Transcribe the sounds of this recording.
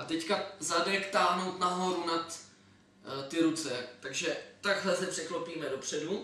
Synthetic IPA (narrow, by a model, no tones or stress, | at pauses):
ʔat̪ɛckazadɛkt̪aːɦno̞wt̪naɦo̞ɾunat̪ | t̪ɪɾut͡sɛt̪aɡʒɛt̪aɡɦlɛsɛpr̥ɛklopiːmɛdopr̝̥ɛdu